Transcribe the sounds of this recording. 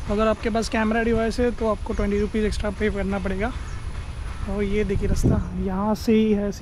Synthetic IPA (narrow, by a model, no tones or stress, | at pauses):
t̪oɐɡəɾaːp̚kepaːskɛːmɾaɖɪʋaːɪsɦɛt̪oaːp̚koʈwɛ̃ɳʈiɾupiːzeksʈɾapeːpkɐɾnapɐɽeːɡaː | ɔːɾjed̪eːkʰieɾɐst̪ajɐɦãseɦiɦɛs